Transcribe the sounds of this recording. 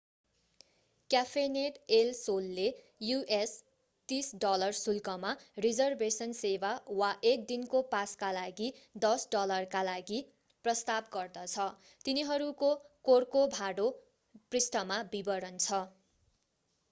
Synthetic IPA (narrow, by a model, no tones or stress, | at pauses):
kjapʰeneʈelsolːe | juʔes | t̪isɖʌlʌrsulkʌmarid͡zʌrbesʌnsebawaʔek̚d̪inkopaskalaɡid̪ʌsɖʌlʌrkalaɡi | prʌst̪ab̚ɡʌrd̪ʌt͡sʰʌ | t̪iniɦʌɾukokorkobʱaɽo | prisʈʌmabibʌɾʌnt͡sʰʌ